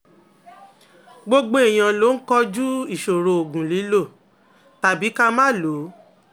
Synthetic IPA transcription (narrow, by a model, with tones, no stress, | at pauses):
ɡ͡bo˦ɡ͡bo˦e˨j̃ã˧lo˨˦n̩˦kɔ˦d͡ʒu˦i˦˨ʃo˨ɾo˨o˨ɡũ˨li˨˦lo˦˨ | ta˨bi˨˦ka˦mã˦˨lo˨˦